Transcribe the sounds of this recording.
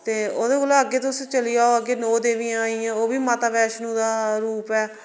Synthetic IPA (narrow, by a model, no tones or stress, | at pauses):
t̪eːoːd̪eːkʊloːəɡeːt̪̬ʊst͡ʃəlijaːoːəɡeːnoːd̪eːʋĩːãaːiːãːoːʋiːmaːt̪aːbɛːʃnũːd̪aːɾuːpɛː